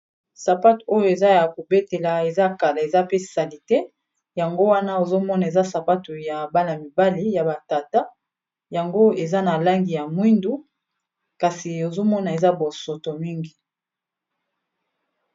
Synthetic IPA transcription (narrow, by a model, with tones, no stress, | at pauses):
sa˨pa˦to˦jo˨e˨za˦ja˨ko˨be˦te˨la˨e˨za˦ka˨la˨e˨za˦pe˦sa˨li˨te˦ | ja˨ŋɡo˦wa˦na˦o˨zo˦mɔ˦na˨e˨za˦sa˨pa˦tu˨ja˨ba˦la˨mi˨ba˦li˦ja˨ba˨ta˨ta˦ | ja˨ŋɡo˦e˨za˦na˨la˦ŋɡi˨ja˨mwi˦ndu˦ | ka˨si˨o˨zo˦mɔ˦na˨e˨za˦bo˨sɔ˨to˨mi˦ŋɡi˨